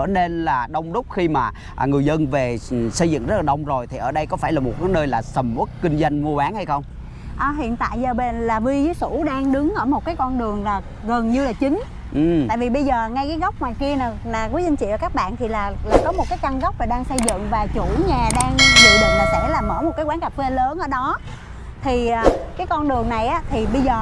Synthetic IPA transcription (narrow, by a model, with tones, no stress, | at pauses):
əː˧˩ne˧nlaː˨˩ɗə˧wŋ͡mɗʊ˦˥k͡p̚xi˧maː˨˩˨ | ŋɨ˨˩əjzə˧nve˨˩sə˧jzɨ̰˧˨ŋzə˦˥laː˨˩ɗə˧wŋ͡mzo˨˩jt̪ʰi˨˩ʔəː˧˩ɗə˧jkɔ˨˦faː˧˩jlaː˨˩mo˨˩t̚kaː˨˦jnəː˧jlaː˨˩sə˨˩mʔu˦˥t̚kï˧ŋ̟zwa˧jŋ̟mu˧əɓaː˨˦nha˧jxə˧wŋ͡m | ʔəː˨˩ɦḭ˧˨ənt̪a̰ː˧˨jzəː˨˩ɓe˧˩nlaː˨˩vi˧zɨ˨˦jsu˧˩ɗaː˧ŋɗɨ˨˦ŋʔəː˧˩mo˨˩t̚kaː˨˦jkɔ˧nɗɨ˨˩əŋlaː˨˩ | ɣə˨˩nɲɨ˧laː˨˩t͡ɕï˨˦ŋ̟ | ʔɨ˨˩t̪a̰ː˧˨jvi˨˩ɓə˧jzəː˨˩ŋa˧jkaː˨˦ɣa˦˥wk͡p̚ŋwaː˨˩jki˧ənaː˨˩naː˨˩ku˨˦si˧ŋ̟t͡ɕḭ˧˨əː˧˩kaː˦˥k̚ɓa̰ː˧˨nt̪ʰi˨˩laː˨˩laː˨˩kɔ˨˦mo˨˩t̚kaː˨˦jka˧ŋɣwk͡p̚vaː˨˩ɗaː˧ŋsə˧jzɨ̰˧˨ŋvaː˨˩t͡ɕu˧˩˦ɲaː˨˩ɗaː˧ŋɗṵ˧˨ɗɨ˨˩laː˨˩sɛ̰˧˥laː˨˩məː˧˩mo˨˩t̚kaː˨˦kwaː˨˦nka˨˩p̚fe˧ləː˨˦nʔəː˧˩ɗɔ˨˦ | t̪ʰi˨˩ʔkaː˨˦jkɔ˧nɗɨ˨˩əŋna˨˩jʔaː˨˦˥t̪ʰi˨˩ɓə˧jzəː˨˩